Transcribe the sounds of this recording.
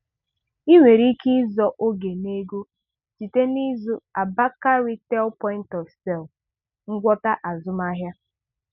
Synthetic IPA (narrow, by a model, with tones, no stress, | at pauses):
i˦wʷe˨ɾi˦ki˦zɔ˦ʔo˦ɡe˨ne˦ɡu˦ | t͡ʃi˨te˦ni˦zʊ˦a˨ba˦ka˦ɾi˦tɛ˦lpɔ˦ɪ̃˦n̩˦tɔ˨fsɛ˦˨l | ŋ̩˦ɡʷɔ˦ta˦ʔa˨zʊ˦ma˦ɦja˦